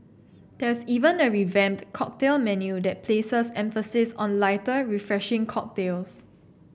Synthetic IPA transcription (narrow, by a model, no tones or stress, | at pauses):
d̥ɛsivə̃nəɹivɛ̃mtkʰɔk̚telmɛnjudɛt̚pʰlesəsɛ̃ɱfəsɪsɔ̰̃nlaɪtəɹifɹɛʃɪ̃ŋkʰɔk̚tels